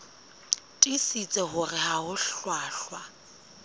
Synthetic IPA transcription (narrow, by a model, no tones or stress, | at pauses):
tʼisit͡sʼɛhʊrɪhahʊɬɬwaːɬwa